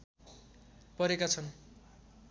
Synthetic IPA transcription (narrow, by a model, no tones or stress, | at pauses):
pʌɾekat͡sʰʌn